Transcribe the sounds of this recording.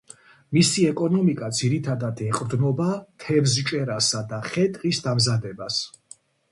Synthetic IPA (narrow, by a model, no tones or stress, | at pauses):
misiɛkʼɔnɔmikʼad̪ziɾit̪ʰad̪ad̪ɛqʼɾd̪nɔbat̪ʰɛvzt͡ʃʼɛɾasad̪aχɛt̪ʼqʼisd̪amzad̪ɛbas